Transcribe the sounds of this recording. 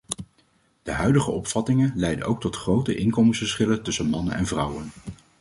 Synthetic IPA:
d̥əɦœɥdəχəɔpfɑtɪŋənlɛjdə̰nʔowk̚tɔtχrowtəʔɪŋkɔmənsfəɹsχɪlətɵsənmɑnə̰nɛ̰nvrɑwən

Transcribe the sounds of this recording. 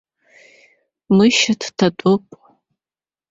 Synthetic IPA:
mɨʃatʰtʰatʷʼʊpʼ

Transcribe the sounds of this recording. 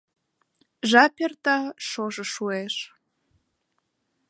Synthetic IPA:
ʒɑpʲert̪ɑʃoʒɤ̆ʃueʃ

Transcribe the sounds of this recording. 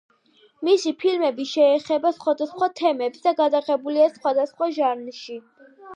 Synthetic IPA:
misipʰilmɛbiʃɛːχɛbasχwad̪asχwat̪ʰɛmɛpsd̪aɡad̪aʁɛbuliasχwad̪asχwaʒaɾnʃi

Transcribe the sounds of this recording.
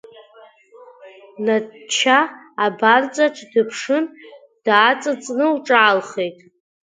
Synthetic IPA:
nat͡ʃʰa | abart͡sʼaʈ͡ʂʰdɨpʰʂɨn | d̥aːt͡sʼɨt͡sʼnɨwʈ͡ʂʼaalχe̞jtʼ

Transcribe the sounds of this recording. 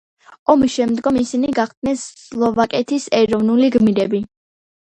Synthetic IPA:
ɔmisʃɛmd̪ɡɔmisiniɡaχd̪̚nɛns | lˠɔvakʼɛt̪ʰisɛɾɔvnuliɡmiɾɛbi

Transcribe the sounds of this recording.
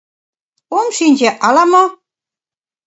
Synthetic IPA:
omʃinʲd͡ʑeʔɑlɑmo

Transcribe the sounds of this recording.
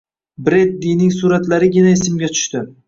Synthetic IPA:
bɾed̪ːinɪŋsuɾat̪laɾɪɡʲɪnaɪs̬ɪmɡʲat̪ʰʊ̥ʃt̪ɪ

